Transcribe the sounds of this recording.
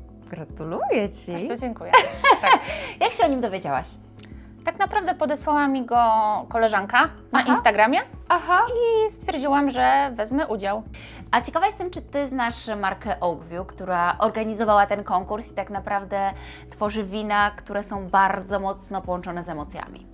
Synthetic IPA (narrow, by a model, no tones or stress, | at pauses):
ɡɾat̪ulujɛt͡ɕiaɾd̪ɔd͡ʑɛŋkujɛ | jakɕɛɔɲimd̪ɔvʲjed͡ʑawa̰ɕ | t̪aknapɾavd̪ɛpɔd̪ɛswawamʲiɡɔkɔlɛʐaŋka | naʔinnt̪aɡɾamʲjɛaɦaist̪fʲjɛɾd͡ʑiwamʐɛvɛzmɘʔud͡ʑaw | ʔat͡ɕɛkavajɛst̪ɛmt͡ʂɘt̪ɘznaʂmaɾkɛʔɔwɡvʲjukt̪uɾaʔɔɾɡaɲizɔvawat̪ɛnkɔŋkuɾsi̥t̪aknapɾavd̪ɛ | t̪fɔʐɘvʲinakt̪uɾɛsɔ̃w̃baɾd̪zɔmɔt̪snɔpɔwɔnt͡ʂɔnɛzɛmɔt̪sʲja̰mʲḭ